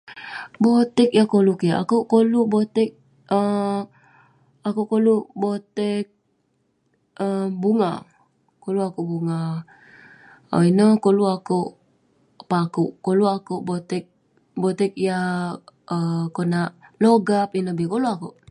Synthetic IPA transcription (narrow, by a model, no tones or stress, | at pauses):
bot̪ɛkjakolukiaʔa̰kuʔkolubot̪ɛk̚ | ə | akuʔkoluʔbot̪ɛk̚ | əbuŋa | koluakuʔbuŋa | o̰inəkoluakuʔ | pakuʔkoluakuʔbot̪ɛk̚ | bot̪ɛk̚ja | əkonaʔloɡapinəbikoluakuʔ